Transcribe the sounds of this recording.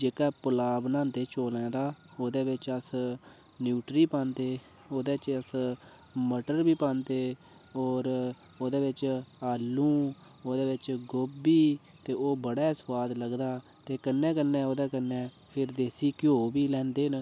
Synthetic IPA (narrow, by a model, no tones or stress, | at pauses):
d͡ʒeːkaːpʊlaːbnãːnd̪eːt͡ʃoːlɛ̃ːd̪aːoːd̪eːʋɪt͡ʃəs | njuːʈɾiːpãːnt̪eː | oːd̪eːt͡ʃəs | məʈəɾbiːpãːnt̪eː | oːɾ | oːd̪eːʋɪt͡ʃaːlːũː | oːd̪eːʋɪt͡ʃɡoːbiː | t̪eːoːbəɽɛːswaːd̪ləɡd̪aː | t̪eːkənːɛ̃ːkənːɛ̃ːoːd̪ɛːkənːɛː | pʰɪɾd̪eːsiːkɪjoːbiːlɛ̃ːnd̪eːn